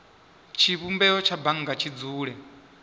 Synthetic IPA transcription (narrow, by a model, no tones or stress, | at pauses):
t͡ʃʰiβumbɛɔt͡ʃʰabaŋɡat͡ʃʰid͡zuːɺɛ